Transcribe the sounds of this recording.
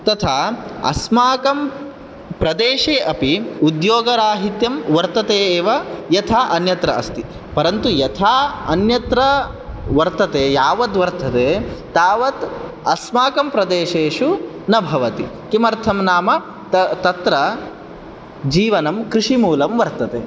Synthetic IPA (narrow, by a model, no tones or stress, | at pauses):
t̪ɐt̪ʰaːɐ̰smaːkɐm | pɾɐd̪eːʂeːʔɐpiud̪joːɡɐɾaːɦit̪jɐmʋɐɾt̪ɐt̪eːeːʋɐjɐt̪ʰaːʔɐnjɐt̪ɾɐɐst̪i | pɐɾɐnt̪ujɐt̪ʰaːɐ̰njɐt̪ɾɐ | ʋɐɾt̪ɐt̪eːjaːʋɐd̪ʋɐɾt̪ʰɐt̪eːt̪aːʋɐt̪ | ɐsmaːkɐmpɾɐd̪eːʃeːʂu | nɐbʱɐʋɐt̪i | kimɐɾt̪ʰɐmnaːmɐ | t̪ɐt̪ɾɐ | d͡ʒiːʋɐnɐmkɾiʂimuːlɐmʋɐɾt̪ɐt̪eː